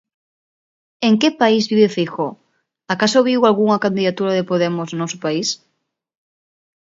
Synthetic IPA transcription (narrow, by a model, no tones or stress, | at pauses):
eŋkɪpaizβiβefixo | akasoβiwalɣuŋɐkand̪iðat̪uɾaðepoðemʊsnɔsʊpais